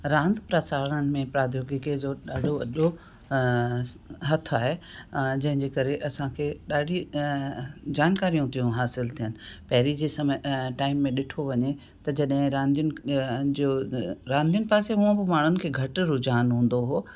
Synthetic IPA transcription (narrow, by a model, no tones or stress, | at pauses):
ɾãːnd̪ʱpɾɐsaːɾəɽ̃̆mẽpɾaːd̪ʱjoːɡɪked͡ʑoːɗaːɖʱoɐʄo | ɦɐt̪ʰaːɦed͡ʑɐ̃ɦɪ̃ɲd͡ʑeːkɐɾeʔɐsãkʰeːɗaːɖʱi | d͡ʑaːnkaːɾijũt̪ijũɦaːsɪlt̪ʰijənɪ̆pɐɦɪɾid͡ʑeːsɐmʈaːɪmːẽɗɪʈʰoʋɐɲe | t̪ɐd͡ʑɐɗɦɪ̃ɾãːnd̪ijʊnɪd͡ʑɾãːnd̪ʱijʊnɪ̆paːseɦʊ̃ə̃bɪmaːɳ̤ʊnɪ̆kʰeːɡʱɐʈɾʊd͡ʑaːnɦũːn̆d̪oɦoː